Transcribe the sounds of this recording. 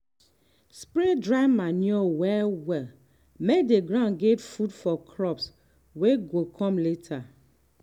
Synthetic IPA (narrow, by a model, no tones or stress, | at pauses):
spɹedɹaɪmanjɔwɛlwɛl | mekdeɡɾãnɡɛtfudfɔkʰɾɔps | weɡokʰɔ̃mletʰa